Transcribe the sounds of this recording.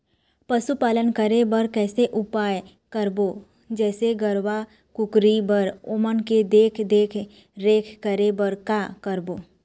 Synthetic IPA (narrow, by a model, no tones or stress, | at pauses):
pəsupaːlənkəɾebəɾkɛːseʔʊpaːj | kəɾbo | d͡ʒɛːseɡəɾʋa | kʊkɾibəɾʊmənked̪eːkʰd̪eːkʰ | ɾeːkʰkəɾebəɾkakəɾboː